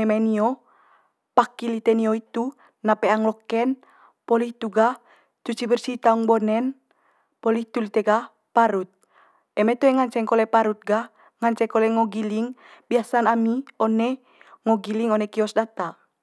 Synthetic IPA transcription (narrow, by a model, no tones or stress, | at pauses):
ɛmaniɔ | pakilit̪ɛnioit̪u | napɛaŋlɔkɛn | pɔliht̪uɡah | t͡ʃut͡ʃibərsit̪auŋbɔnɛn | pɔliht̪ulit̪ɛɡah | paɾut̪̚ | ɛmɛt̪uɛŋaɲt͡ʃɛŋkɔlɛpaɾut̪̚ɡah | ŋaɲt͡ʃɛkɔlɛŋɔɡiliŋbiasanamiɔnɛ | ŋɔɡiliŋɔnɛkiɔsdat̪a